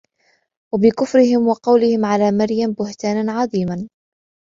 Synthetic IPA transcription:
wabɪkʊfɾɪhɪmwɑqɑwlɪhɪmʕalaːmaɾjambʊht̪aːnanʕɑðˤiːman

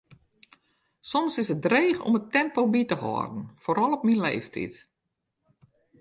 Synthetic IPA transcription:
sɔmsɪsət̚dreːxɔ̰mətɛmpowbitəhɔ̰ːrdn̩foɾɔlˠɔp̚minlḛːftʰḭt

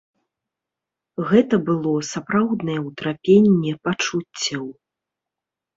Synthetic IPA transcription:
ɣɛt̪ɐbɨlˠɔsapɾawd̪nɐjɛwt̪ɾapʲenʲːɛpat͡ʂut͡sʲːɐw

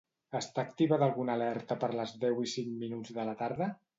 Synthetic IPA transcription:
əst̪aːkt̪iβəðəlˠɣunəlɛɾt̪əpəɾləzðɛwisiŋminud͡zðələt̪aɾðə

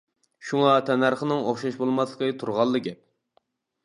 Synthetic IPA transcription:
ʃuŋɑt̪ʰɛnæɾχənɨŋoχʃɑʃbolˠmɑslˠəqʰət̪ʰuɾʁɑlˠːɨɡʲɛp̚

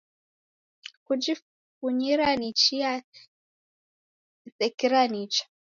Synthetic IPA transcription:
kud͡ʒi | kuɲiɾanit͡ʃia | sɛkiɾanit͡ʃḁ

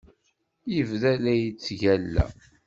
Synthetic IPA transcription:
jəvðælæjt͡sːʝælːæ̰

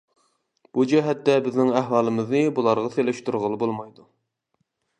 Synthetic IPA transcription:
b̥ud͡ʒɛɦɛt̪ːɛbɪznɪŋæhwɑːlˠɨmɨznɨbulˠɑɾʁɑselɪʃt̪uɾʁəlˠɨbolˠmɑjd̪u

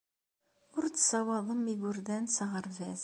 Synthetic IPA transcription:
ʊɾt͡sːsɑwɑðˤəmiɡʊɾðænsɑʁəɾvæθ

